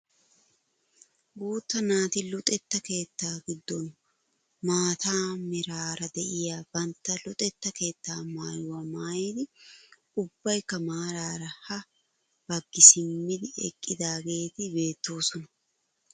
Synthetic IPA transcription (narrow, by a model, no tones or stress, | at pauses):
ɡuːt̪ːɐnaːt̪ɪlʊt̪ʼɛt̪ːɐke̞ːt̪ːaːɡɪd̪ːɔn | maːt̪aːmɪɾaːɾɐd̪ɛʔɪjaːb̥ɐnt̪ːɐlʊt̪ʼɛt̪ːɐke̞ːt̪ːaːmaːjʊwɐmaːjed̪ɪ | ʊbːɐjkɐmaːɾaːɾɐhɐ | b̥ɐɡːɪsɪmːɪd̪ɪɛ̰kʼːɪd̪aːɡe̞ːt̪ɪbe̞ːt̪ːo̞ːsɔnɐ̥